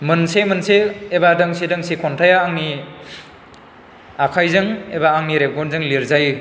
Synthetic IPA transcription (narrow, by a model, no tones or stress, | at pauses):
mɯnsemɯnseːbadɯŋsidɯŋsikʰɔntʰajaːŋmi | akʰajzɯŋebaːŋmiɾep̚ɡɔnzɯŋliɾzaj